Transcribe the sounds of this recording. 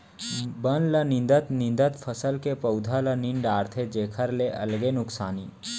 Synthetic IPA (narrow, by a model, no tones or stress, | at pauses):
bənlənɪ̃nd̪ət̪nɪ̃nd̪ət̪pʰəsəlkepəʊd̪ʱaləniɳɖaːɾt̪ʰed͡ʒeːkʰəɾleʔɐ̰lɡenʊksaːniː